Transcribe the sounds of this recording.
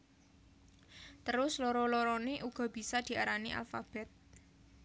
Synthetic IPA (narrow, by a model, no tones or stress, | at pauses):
t̪əɾʊslɔɾɔlɔɾɔneʔuɡ̥ɔ̤b̥i̤sad̪̥i̤aɾaniʔa̰lfab̥ɛt̪̚